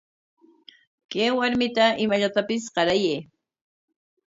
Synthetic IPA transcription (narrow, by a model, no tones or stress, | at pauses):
kejwaɾmɪt̪aɪmaʎat̪apɪsqɑɾajeː